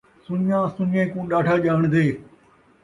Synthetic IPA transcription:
sʊnãːsʊnẽːkũːɗaːʈʰaːʄaːɳ̃d̪eː

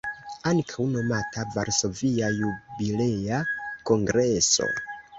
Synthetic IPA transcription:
aŋkʰawno̞matavaɾso̞viajubileako̞ŋɡɾe̞so̞̰

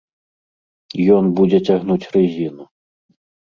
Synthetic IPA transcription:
jɔnbud͡zʲɛt͡sʲaɣnut͡sʲrɨzʲinu

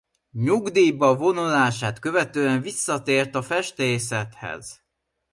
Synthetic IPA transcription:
ɲuɡd̪iːbɒvo̞nolaːʃaːt̪kø̞vɛt̪øːɛɱvisːɒt̪eːrt̪ɒfɛʃt̪eːs̬ɛt̪hɛ̰z̥

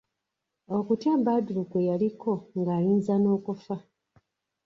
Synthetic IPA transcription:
o̞kutjaːmbaduɾukwejalikʰo̞ŋɡaːjiːnzano̞ːkufa

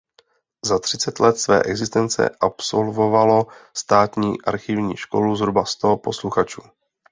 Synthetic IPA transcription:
zat̪r̝̥ɪt͡sɛt̪lɛt̪svɛ̰ːʔɛɡzɪst̪ɛnt͡sɛ̰ʔapso̞lvo̞valo̞st̪aːt̪ɲiːʔa̰ɾxɪvɲiːʃko̞luzɦɾubast̪o̞po̞sluxat͡ʃuː

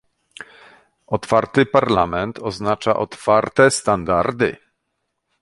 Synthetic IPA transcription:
ɔt̪faɾt̪ɘpaɾlamɛnt̪ʰɔznat͡ʂa̰ʔɔt̪faɾt̪ɛst̪and̪aɾd̪ɘ̰

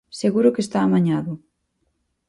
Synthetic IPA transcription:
seɣuɾʊkest̪aːmaɲaðʊ

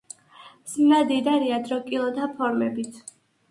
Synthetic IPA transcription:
smnad̪id̪aɾiad̪ɾɔkʼilˠɔd̪apʰɔɾmɛbit̪ʰ

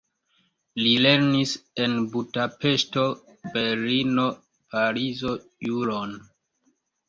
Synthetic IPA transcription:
lile̞ɾnise̞nbudape̞ʃto̞ | be̞lino̞ | paɾizo̞juɾon

